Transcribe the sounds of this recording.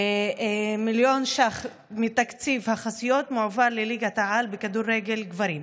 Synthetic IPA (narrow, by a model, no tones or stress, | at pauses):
miljo̞nʃaχ | mit̪akt͡sivhaχasijo̞t̪muʕvalleliɡat̪aʕalbekad̪uɾːeɡe̞lɡvaɾim